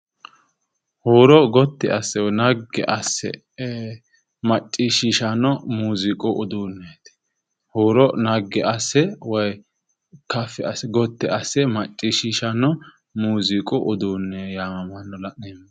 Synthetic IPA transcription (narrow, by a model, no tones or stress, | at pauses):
huːɾɔɡɔt̪ːɪʔɐsːɛwnɐɡːɛ̰ʔɐsːɛ̰ | mɐt͡ʃʼːiʃiːʃɐnːɔmuːzɪkʼʊʔʊd̪uːnːɛt̪ɪ̥ | huːɾɔnɐɡːɛʔɐsːɛwɔj | kɐfɛɐsɛɡɔt̪ːɪʔɐsːɛmɐt͡ʃʼːiːʃiːʃɐnːɔ | muːzɪkʼʊʔʊd̪uːnːɛjaːmɐmɐnːɔlɐʔnemːɐ